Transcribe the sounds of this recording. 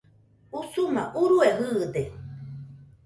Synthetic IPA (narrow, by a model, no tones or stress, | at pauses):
usumaʔuɾueɦɯːd̪e